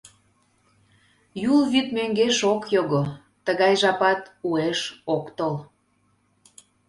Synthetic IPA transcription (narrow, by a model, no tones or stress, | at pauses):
julβyt̪møŋɡeʃokjoɣo | t̪əɣɑjʒɑpɑt̪ueʃokt̪ol